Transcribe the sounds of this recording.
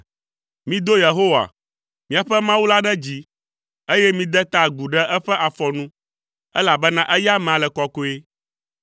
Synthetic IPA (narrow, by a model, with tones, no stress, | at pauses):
mĩ˦d̪o˦je˨ɦo˦wa̰˨ | mĩ˦a˨ɸɛ˦mã˦wu˦la˦ɖɛ˦d͡ʑi˦ | e˦jɛ˦mĩ˦d̪ɛ˦t̪a˦ɡu˨ɖɛ˦ʔɛ˦ɸɛ˦ʔa˨fɔ˨nũ˦ | ɛ˦la˨bɛ˦nã˦ʔɛ˦ja˦mɛ̃˨a˨lɛ˨kɔ˨ko˦e˦